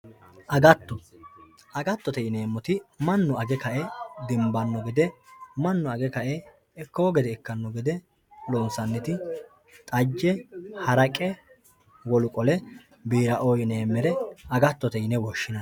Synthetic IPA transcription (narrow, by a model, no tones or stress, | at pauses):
ʔɐɡɐt̪ːɔ | ʔɐɡɐt̪ːɔt̪ɛjɪneːmːɔt̪ɪmɐnːʊɐɡɛkɐʔɛd̪ɪmbɐnːɔɡɛd̪ɛmɐnːʊɐɡɛkɐʔɛ | ɛkːoːɡɛd̪ɛːkːɐnːɔɡɛd̪ɛ | lɔnsɐnːɛt̪ɪ | t̪ʼɐd͡ʒːɛhɐɾɐkʼɛ | wɔlʊkʼɔlɛ | biːɾɐʔɔjne̞ːmːɛɾɛɐɡɐt̪ːɔt̪ɛɪnɛwɔʃːɪnɐn